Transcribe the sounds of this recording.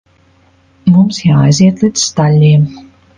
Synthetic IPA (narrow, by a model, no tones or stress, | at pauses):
mumsjaːjziɛt̪lˠid̪sst̪alʲːiːm